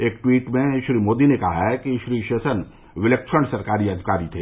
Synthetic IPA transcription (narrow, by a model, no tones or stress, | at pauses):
eːkʈwiːʈmẽʃɾiːmoːd̪inekɐɦaɦɛkiʃɾiːʃeːsən | ʋɪleːkʃəɳɖsɐɾkaːɾiɐd̪ʱikaːɾit̪ʰeː